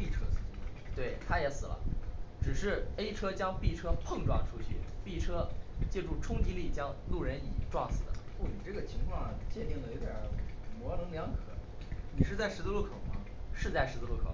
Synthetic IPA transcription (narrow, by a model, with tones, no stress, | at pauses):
pi˥˩ʈ͡ʂʰɤ˥sɹ̩˨˩i˧˥˩t̪we˥˩ɪt̪ʰa˥jɛ˧˥sɹ̩˨˩lə̰˦ʈ͡ʂɻ̩˨˩ʂɻ̩˥˩e˥ɪʈ͡ʂʰɤ˥t͡ɕjɑ˥ŋpi˥˩ʈ͡ʂʰɤ˥pʰɤ˥˧ŋʈ͡ʂwɑ̰˥˩ŋʈ͡ʂʰu˥t͡ɕʰy˥˩pi˥˩ʈ͡ʂʰɤ˥t͡ɕjɛ˥˧ʈ͡ʂu˥˩ʈ͡ʂʰʊ˥ŋt͡ɕi˧˥li˥˩t͡ɕjɑ˥ŋlu˥˩ɻə˧˥nḭ˨˩ʈ͡ʂwɑ˥˩ŋsɹ̩˨˩d̪ə̰˦u˥˩ni˨˩ʈ͡ʂɤ˥˩ɡə˩t͡ɕʰi˧˥ŋkʰwɑ˥˩ŋ˨˩t͡ɕjɛ˥˧nt̪i˥˩ŋd̪ə˩jo˧˥ʊt̪jɑ˨˩˦mwɔ˧˥nɤ˧˥ŋljɑ˧˥ŋkʰɤ̰˨˩˦ni˨˩ʂɻ̩˥˧t͡sa˥˩ɪʂɻ̩˧˥t͡s̩˥lu˥˩kʰo˨˩ʊmɐ̰˧ | ʂɻ̩˥˧t͡sa˥˩ɪʂ̩˧˥t͡slu˥˩kʰo˨˩˦